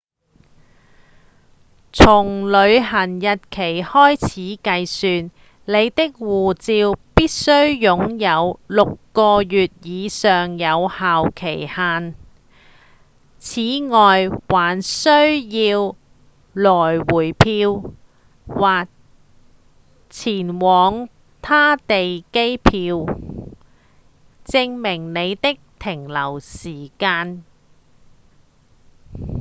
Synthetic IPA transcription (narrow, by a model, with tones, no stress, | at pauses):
t͡sʰʊ˨˩ŋlɵ˨˧ɥɦɐ˨˩njɐ˨t̚kʰe˨˩jhɔː˥jt͡sʰiː˨˥kɐ˧jsyː˨˧n | le˨˧jt̪ɪ˥k̚wuː˨t͡siː˧wpiː˥t̚sɵ˥ɥjʊ˨˥ŋjɐ˨˧wlʊ˨kːɔː˧jyː˨t̚jiː˨˧sœː˨ŋjɐ˨˧whaː˨wkʰe˨˩jhaː˨n | t͡sʰiː˨˥ŋɔː˨jwaː˨˩nsɵ˥ɥjiː˧w | lɔː˨˩jwuː˨˩jpʰiː˧w | waː˨k̚ | t͡sʰiː˨˩nwɔː˨˧ŋ | t̪ʰaː˥t̪e˨jke˥jpʰiː˧w | t͡sɪ˧ŋmɪ˨˩ŋne˨˧jt̪ɪ˥k̚t̪ʰɪ˨˩ŋlɐ˨˩wsiː˨˩kaː˧n